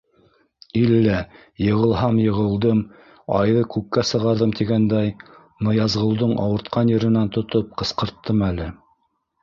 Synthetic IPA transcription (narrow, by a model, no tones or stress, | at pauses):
ilːæ | jɤ̆ʁɤ̆lˠɦɑmjɤ̆ʁɤ̆lˠd̪ɤm | ɑ̰jðɤkʉkːæsɤ̆ʁɑɾðɤmt̪iɡænd̪æj | nɤ̆jɑzʁɤ̆wˠd̪oɴʔɑ̰wɤ̆ɾt̪qɑnjɘ̆ɾɘ̆nænt̪ŏt̪op̚qɤ̆sqɤ̆ɾt̪ːɤmælɘ